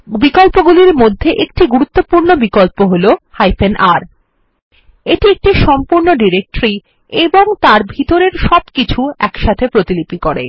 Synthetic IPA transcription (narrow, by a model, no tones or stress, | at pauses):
bikolpoɡuliɾmod̪ʱːeʔek̚ʈiɡuɾut̪ːopuɾnobikolpoɦolohajfʰenʔaɾ | eʈiek̚ʈiʃɔmpuɾnoɖiɾek̚ʈɾi | eboŋt̪aɾbʱit̪oɾeɾʃɔbkit͡ɕʰuɛkʃat̪ʰepɾot̪ilipikoɾḛ